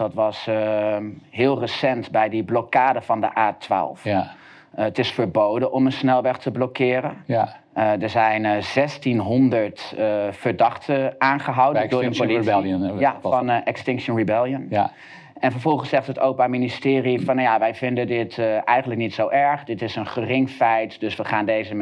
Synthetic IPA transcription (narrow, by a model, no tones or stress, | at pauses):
dɑtʋɑs | ɦɪːlˠrəsɛntbɛjdəblɔkaːdəvɑndə̰ʔaːtʋa̰ːlˠf | ətɪsfəɹbowdənʔɔmənsnɛlˠʋɛχtəblɔkɪːɾən | dəɹzɛjnzɛstinɦɔndəɹtfəɹdɑχtʰəaːnχəɦɑwdədʊːɹəpoliənjafɑnʔɛkstɪŋʃənribɛlˠjən | ɛnvəɹvɔlˠχənsɛχtətowpaministɪːrifɑnjaʋɛjvɪndədɪtʔɛjχənlək̚nitsowʔɛɹχdɪtɪsənχərɪŋfɛjtdɵsʋəχaːndejzə